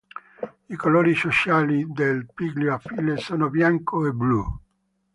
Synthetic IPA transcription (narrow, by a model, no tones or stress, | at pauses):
ikoloːɾisot͡ʃaːlid̪elpiɡljoafilesoːnobjaŋkoeblu